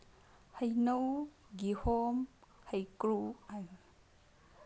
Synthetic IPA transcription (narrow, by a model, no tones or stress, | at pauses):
həjnowɡihɔmhəjkɾuaj